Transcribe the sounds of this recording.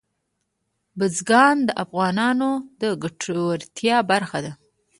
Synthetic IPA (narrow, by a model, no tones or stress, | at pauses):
bəzɡɑnd̪əʔafɣɑnɑnod̪əɡaʈʰowaɾt̪jɑbaɾxad̪a